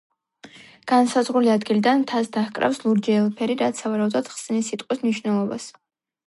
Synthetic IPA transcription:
ɡ̥ansazʁuliad̪ɡilid̪ant̪ʰasd̪aχkʼɾa̰fslˠuɾd͡ʒɛːlˠpʰɛɾiɾat̪savaɾaud̪ɔd̪̥χsnisit̪ʼqʼwismniʃwnɛlˠɔba̰s

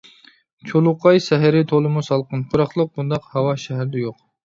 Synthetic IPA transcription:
t͡ʃʰolˠuqʰɑjsɛɦɪɾɪt̪ʰolˠɨmusɑlˠqənpʰuɾɑχlˠəq̚bund̪ɑqhɑwɑʃɛɦɾd̪ɛjoq̚

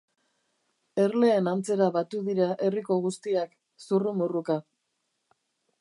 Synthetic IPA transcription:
e̞ɾle̞ːnant͡se̞ɾaβat̪uðiɾaʔe̞riko̞ɣust̪iak | surumuruka

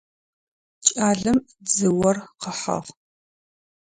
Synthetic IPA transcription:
t͡ʃʼaːɮɨm | d͡zɨwɐrqəħɐ̰ʁ

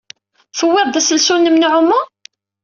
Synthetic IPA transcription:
θəwːiðˤd̪æsəlsunːəmnʕʊmːu

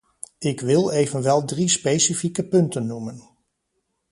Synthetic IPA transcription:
ɪkʋɪlˠejvənʋɛlˠdrispejsifikəpɵntənːumən

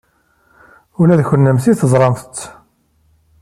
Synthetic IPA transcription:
ulæðçənːəmθiθəzˤɾˤɑmθət͡s̪ː

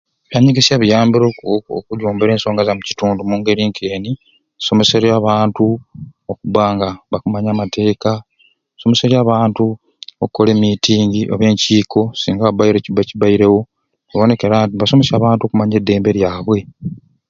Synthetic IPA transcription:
βjaɲiɡesjaβijaːmbiɾoo̰kuɟuːmbeɾe̞ːnso̞ːŋɡazamuci̥tuːndumuːŋɡe̞ɾiŋkʰe̞ːni | so̞me̞se̞ɾjaːβaːntuokuβaŋɡaβakumaɲaːmatʰe̞ːka | so̞me̞se̞ɾjaːβaːntu | okukole̞ːmitiːŋɡiʔoβeːɲciːko̞siːŋɡaββajiɾeciβaciβajiɾe̞wo̞ | eβo̞ne̞keɾaβaso̞me̞saːβaːntuo̞kumaɲe̞dːe̞ːmbe̞ɾjaːβwe̞

